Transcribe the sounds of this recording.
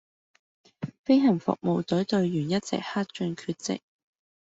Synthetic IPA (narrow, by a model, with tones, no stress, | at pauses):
fe˥jɦɐ˨˩ŋfʊ̰˨k̚mo˨˧wt̪ɵ˨˥t̪ɵ˧ɥjyː˨˩njɐ˥t̚t͡sɛ̰˨˩k̚haː˥t̚t͡ʃɵ˧nkʰyː˧t̚t͡sɪ̰˨k̚